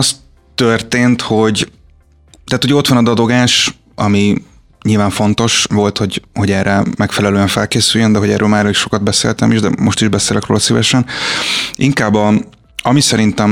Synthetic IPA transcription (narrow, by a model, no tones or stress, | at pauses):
ɒs | t̪ørt̪eːnt̪ho̞ɟ | t̪aːt̪uoɛo̞t̪ʋɒnɒd̪ɒd̪o̞ɡaːʃ | ʔɒmi | ɲilvaːɱfo̞nt̪o̞ʃʋo̞lt̪ho̞ɟho̞ɟɛrːɛmɛkfɛlɛløːɛɱfɛlkeːsyjːønd̪ɛɦoɟɛːɾʔøːlmaːrɒliʃo̞kɒd̪bɛsḛːlt̪ɛmiʒd̪ɛ̰mo̞ʃt̪iʒbɛseːlɛkro̰ːlɒsivɛʃɛn | iŋkaːbɒ | ɒmisɛɾint̪ɛm